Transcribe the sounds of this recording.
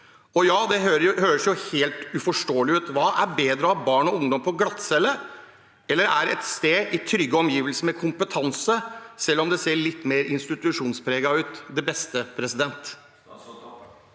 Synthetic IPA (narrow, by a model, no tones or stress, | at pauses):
ɔjɑːd̪ɛɦøɾhøːɾəsjʊheːlt̪ʉfɔʂʈoːlɪʉːt̪ʋɑːʔæɾbeːd̪ɾəɑʋbɑːɳɔʊŋd̪ɔmpʰɔɡlɑt̪sɛlːə | ɛlːəɾæ̰ɾɛ̰t̪st̪eːʔɪt̪ʰɾʏɡːəɔmjiːʋəlsəmɛkʰʊmpət̪ʰɑnsəsɛlːɔmd̪ɛseːɭɪt̪ːmeːɾɪnst̪ɪt̪ʉʂuːnspʰɾeːɡɑʉːt̪d̪ɛbɛst̪əpʰɾɛsɪd̪ɛnt̪